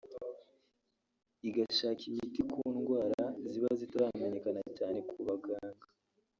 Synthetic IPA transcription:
iɡaʃaːcimitikʰuːnɡwaːɾaziβazitaɾaːmeɲe̞kanacaːne̞kuβaɡaːŋɡa

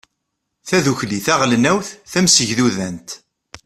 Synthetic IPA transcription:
θæðuçliθæʁlnæwθθæmsəʝðuðænt̪

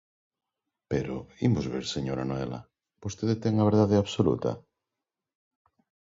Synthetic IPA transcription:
peɾo̰imʊzβeɾseɲoɾanoela̰ | bost̪eðet̪ɛŋaβ̞eɾðaðeaβsolṵt̪ɐ̰

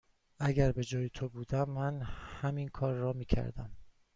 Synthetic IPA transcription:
ʔæɟæɾbe̞d͡ʒɒːjet̪ʰobuːd̪æmːænhæminkʰɒːɾːɒːmiːcʰæ̰ɾd̪æ̰m

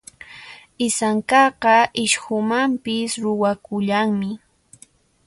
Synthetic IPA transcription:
ɪsaŋkɑqɑʔɪʃhʊmampɪsɾʊwakʊʎaŋmɪ

